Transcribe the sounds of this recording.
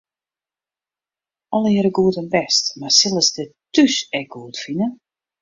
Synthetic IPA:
ɔlˠɪɾəɡuətənbɛstmarsɪlˠəsdətysɛk̚ɡ̥uətfinə

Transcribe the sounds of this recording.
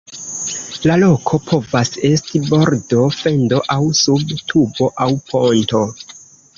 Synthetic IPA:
lalo̞kʰo̞pʰo̞vase̞stibo̞ɾdo̞fe̞ndo̞ʔawsubtʰubo̞ʔawpʰonto̞

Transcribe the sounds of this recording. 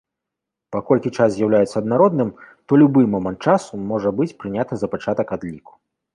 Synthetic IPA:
pakɔlʲkʲit͡ʂaszʲjawlʲajɛt̪sːɐd̪naɾɔd̪nɨm | t̪ɔlʲubɨmɔmɐnt̪̚t͡ʂasumɔʐɐbɨt͡sʲpɾɨnʲat̪ɐzɐpat͡ʂat̪ɐkad̪lʲiku̥

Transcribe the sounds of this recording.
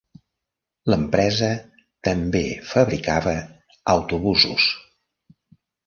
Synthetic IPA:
ləmpɾɛzə | t̪əmbefəβɾikaβə | əwt̪uβuzṵs

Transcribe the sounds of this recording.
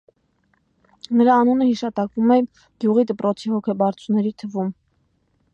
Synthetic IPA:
nəɾɑːnunəhiʃɑt̪ɑkvumɛ | ɡjuʁid̪əpɾɔt͡sʰihɔkʰɛbɑɾt͡sʰunɛɾit̪ʰəvum

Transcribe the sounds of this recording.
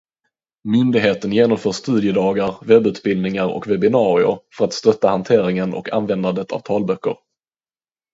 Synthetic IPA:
mʏnd̪ɪɡɦeːt̪ənjeːnɔmfœːʂːt̪ʉ̟ːd̪ɪəd̪ɑːɡaɾvɛbːʉ̟ːt̪̚bɪld̪nɪŋaɾɔ̰kvɛbɪnɑːɾɪʊ̰ɾfœɾat̪st̪œt̪ːahant̪ʰeːɾɪŋənʔɔ̰kʰa̰nvɛnd̪and̪ət̪ʰa̰vt̪ʰɑːlbœkːə̰ɾ

